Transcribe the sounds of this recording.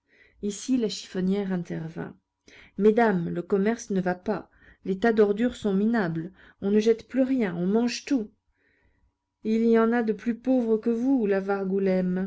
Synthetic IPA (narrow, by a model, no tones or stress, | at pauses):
isilaʃi̥fɔnjɛʁɛ̃t̪ɛʁvɛ̰̃ | med̪amləkɔmɛʁsnəvapa | let̪ad̪ɔʁd̪yʁsɔ̃minabl | ɔ̃nəʒɛt̪plyʁjɛ̃ɔ̃mɑ̃ʒt̪u | ilijɑ̃nad̪əplypovʁəkəvulavaʁɡulɛm